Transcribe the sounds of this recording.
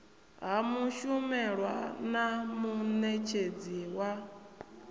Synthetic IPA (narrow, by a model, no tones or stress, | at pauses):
ɦamuʃumɛɺwa̰namunet͡ʃʰed͡ziwa